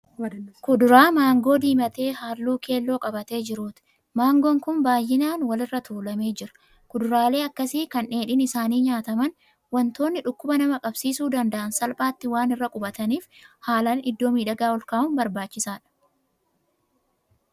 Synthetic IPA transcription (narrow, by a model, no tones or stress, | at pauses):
kʊd̪ʊɾaːmaːŋɡo̞ːd̪iːmɐt̪e̞ːhaːlːuːkʰe̞ːlːo̞ːkʼɐbɐt̪e̞ːd͡ʒɪɾuːt̪ɪ̥ | maːŋɡoːŋkʊnbaːjːɪnaːnwɐlɪrːɐt̪ʰuːlɐme̞ːd͡ʒɪɾɐ̥ | kʊd̪ʊɾaːle̞ːɐkːɐsiːkɐnʔe̞ːᶑɪnɪsaːniːɲaːt̪ɐmɐn | wɐnt̪o̞ːnːɪᶑʊkːʊbɐnɐmɐkʼɐbsiːsuːd̪ɐnd̪ɐʔɐnsɐlpʼaːt̪ːɪwaːnɪrːɐkʼʊbɐt̪ɐniːfhaːlɐnɪd̪ːo̞ːmiːᶑɐɡaːɔlkaːʔʊnbɐɾbaːt͡ʃːɪsaːᶑɐ̥